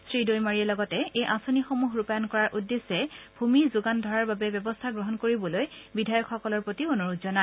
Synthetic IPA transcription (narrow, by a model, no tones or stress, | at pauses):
sɹidojmaɹiɛlɔɡɔtɛejʔasonixomuɦɹupajɔnkɔɹaɹʔudːesɛb̥ʱumizʊɡandʱɔɹaɹbabɛbjɔbɔstʰaɡɹɔɦɔnkoɹibɔlojbidʱajɔkxːɔkɔlɔɹpɹotionoɹutzɔna